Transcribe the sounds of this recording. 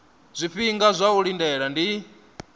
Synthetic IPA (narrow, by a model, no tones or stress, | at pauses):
zʷifiŋɡazʷaulindɛɺandi